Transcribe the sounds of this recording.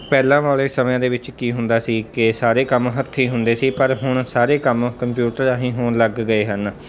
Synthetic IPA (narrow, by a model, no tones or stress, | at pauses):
pɛːlãːʋaːleːsəmjãːd̪eːʋɪt͡ʃkiːɦʊnd̪aːsiːkɪsaːɾeːkəmɦət̪ʰːiːɦʊnd̪eːsiːpəɾɦʊɳ̃saːɾeːkəmkəmpjuːʈəɾaːɦĩːɦonləɡːəeːɦən